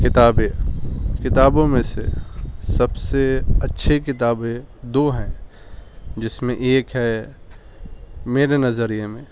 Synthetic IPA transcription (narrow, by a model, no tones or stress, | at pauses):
kɪt̪aːbẽkɪt̪aːbõmẽsḛsɐbseɐtːʃʰekɪt̪aːbẽd̪oːɦɛ̃ | d͡ʒɪsmẽʔeːkɦɛ | meːɾenɐzəɾijemẽ